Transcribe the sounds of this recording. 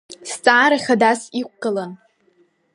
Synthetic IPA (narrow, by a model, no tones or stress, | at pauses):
st͡sʼaːɾaχʲadasik̚ʷʰɡʼɨlan